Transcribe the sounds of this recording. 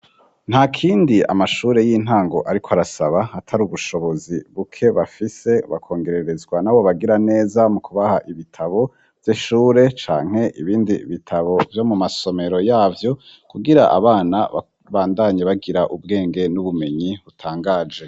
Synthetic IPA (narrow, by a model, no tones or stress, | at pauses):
n̥hakʰiːndia̰maʃuːɾe̞jiːn̥haːŋɡo̞ʔaɾikʰoaɾasaβaatʰaɾuβuʃo̞βo̞ziβukʰe̞βafise̞βa̰kʰo̞ːŋɡe̞ɾe̞ɾe̞zɡwanawoβaɡiɾane̞ːzamukʰuβahaʔiβitʰaβo̞ | vjiʃuːɾe̞t͡ʃa̰ːŋ̥he̞ʔiβiːndiβitʰaβo̞vjo̞mumaso̞me̞ɾo̞jaːvjo̞kuɡiɾaʔa̰βaːnaβa̰ | βaːndaɲeβaɡiɾaʔub̚ɡe̞ːŋɡe̞nuβume̞ɲiβutʰaːŋɡaːd͡ʒe̞